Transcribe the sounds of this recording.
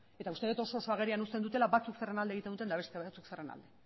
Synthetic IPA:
e̞t̪aust̪e̞et̪o̞so̞ːso̞aɣ̞e̞ɾianust̪e̞nd̪ut̪e̞laβat͡suksere̞nald̪eɣit̪end̪ut̪e̞nd̪aβe̞st̪eβat͡sukserena̰ld̪e̞

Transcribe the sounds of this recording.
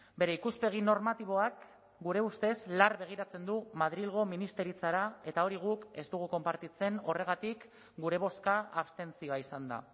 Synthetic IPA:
be̞ɾe̞ikuspe̞ɣ̞ino̞ɾmat̪iβ̞o̞ak | ɡuɾe̞ust̪e̞slarβe̞ɣ̞iɾat͡se̞nd̪umað̞ɾilɣ̞o̞minist̪e̞ɾit͡saɾae̞t̪ao̞ɾiɣ̞uke̞st̪uɣ̞uko̞mpaɾt̪it͡se̞no̞re̞ɣat̪ik | ɡuɾe̞β̞o̞skaaβst̪e̞nt͡sio̞aisand̪a̰

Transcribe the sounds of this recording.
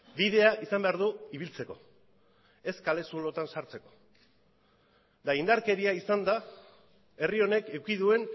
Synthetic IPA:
biðe̞aʔisambe̞aɾðuiβ̞ilt͡se̞ko̞̰ | e̞skale̞sulo̞t̪ansaɾt͡se̞ko̞̥ | d̪aind̪aɾke̞ɾiaisand̪a | e̞rio̞ne̞kekiðue̞n

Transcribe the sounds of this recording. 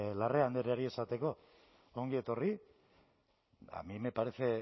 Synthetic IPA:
lareand̪eɾeaɾie̞sat̪e̞ko̞ | oŋɡie̞t̪o̞ri | a̰mimepaɾe̞se

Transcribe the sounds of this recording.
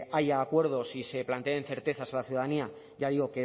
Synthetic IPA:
ajaːkwe̞ɾð̞o̞sise̞plant̪ean̟θe̞ɾt̪e̞θasalaθjuðaðania | ʝaðiɣo̞ke

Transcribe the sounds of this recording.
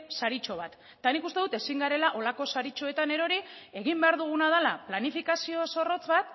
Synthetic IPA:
saɾit͡ʃo̞β̞at̪ːanikust̪e̞ðut̪e̞siŋɡaɾe̞laʔo̞lako̞saɾit͡ʃo̞e̞t̪ane̞ɾo̞ɾie̞ɣimbe̞aɾðuɣ̞unað̞alaplanifikasio̞so̞ro̞t͡sβat̪

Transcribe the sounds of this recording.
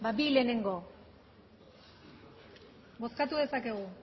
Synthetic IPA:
babile̞ne̞ŋɡo̞ | ɡo̞skat̪uðe̞sake̞ɣu

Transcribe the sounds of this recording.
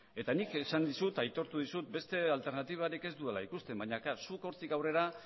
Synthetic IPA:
e̞t̪anikesand̪isut̪ajt̪o̞ɾt̪uðisut̪̚be̞st̪e̞alt̪e̞ɾnat̪iβ̞aɾike̞zd̪uelaikust̪e̞mbaɲakasuko̞ɾt̪ikawre̞ɾa

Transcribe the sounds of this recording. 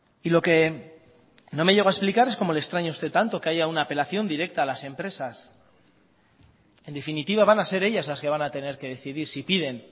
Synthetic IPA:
ilo̞ke | no̞me̞ʝe̞ɣ̞aesplikaɾe̞sko̞molekst̪ɾaɲaust̪e̞t̪ːant̪o̞ke̞aʝaunaːpe̞laθjo̞nd̪iɾe̞k̚t̪aːlase̞mpɾe̞sas | e̞nd̪e̞finit̪iβ̞aβanase̞ɾe̞ʎazlaske̞βanat̪e̞ne̞ɾke̞ðe̞θiðiɾsipiðe̞n

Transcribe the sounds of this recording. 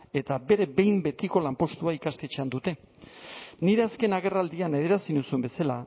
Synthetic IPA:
e̞t̪abe̞ɾe̞be̞jmbe̞t̪iko̞lampo̞st̪uaikast̪et͡ʃeand̪ut̪e̞ | niɾe̞aske̞naɣ̞e̞rald̪iane̞ðe̞ɾasinusumbe̞sala

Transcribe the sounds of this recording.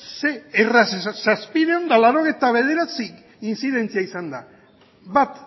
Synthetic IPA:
seerassaspiðe̞o̞nd̪alaɾo̞ɣ̞ejt̪aβ̞e̞ð̞e̞ɾat͡sik | insiðe̞nt͡siaisand̪a | bat̪

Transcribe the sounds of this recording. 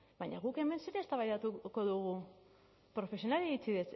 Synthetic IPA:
bajɲa̰ɣuke̞me̞nseɾeːst̪aβajðat̪uko̞ðuɣu | pɾo̞fe̞sio̞naleɾit͡siðe̞s

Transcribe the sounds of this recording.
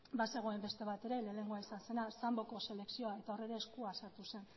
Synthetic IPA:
base̞ɣ̞o̞e̞mbe̞st̪e̞β̞at̪e̞ɾe̞le̞le̞ŋɡoaisanse̞nasambo̞ko̞se̞le̞ksio̞aet̪ao̞re̞ɾe̞ːskuasaɾt̪use̞n

